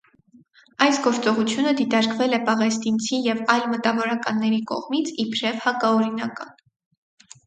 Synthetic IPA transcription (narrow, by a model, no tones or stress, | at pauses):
ɑjsɡɔɾt͡sɔʁut͡sʰjunəd̪it̪ɑɾkvɛlɛpɑʁɛst̪int͡sʰijɛvɑjlmət̪ɑvɔɾɑkɑnːɛɾikɔ̰ʁmit͡sʰipʰɾɛvhɑkɑɔɾinɑkɑn